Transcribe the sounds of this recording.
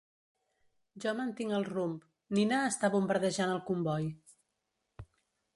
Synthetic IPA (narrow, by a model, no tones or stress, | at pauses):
ʒɔmənt̪iŋəlˠrump | ninaəst̪aβumbəɾðəʒanəlˠkumbɔj